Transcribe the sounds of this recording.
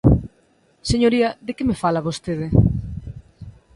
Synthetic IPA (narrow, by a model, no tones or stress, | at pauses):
seɲoɾiɐðekemefalaβost̪eðɪ